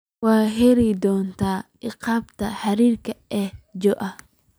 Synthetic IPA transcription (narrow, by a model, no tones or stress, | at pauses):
waːɦɛɾɛjd̪ɔːnt̪ʰaː | ɪqɑːbt̪ʰɐħɐɾiːrkʰɐɛhd͡ʒɔʔɐ